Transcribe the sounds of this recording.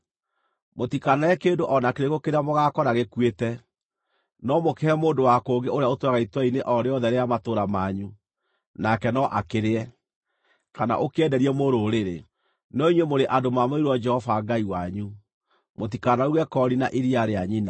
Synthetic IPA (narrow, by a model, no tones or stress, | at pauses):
motikanaɛkeːndoʔɔnakeɾeɣokeɾeamoɣakɔɾaɣekwetɛ | nɔmokɛɛmoːndowakoːɡeoɾeaotwɛɣaitwɛineʔɔɾeɔðɛɾeamatoɾamaːɲu | nakɛnɔʔakeɾeɛ | kana̰ʔokeɛdɛɾiɛmoːɾoːɾeɾe | nɔiɲwemoɾeʔadomamoiɾwɔd͡ʒɛhɔvaɡaiwaɲu | motikanauɣɛkɔɾinaʔiɾiaɾeaɲina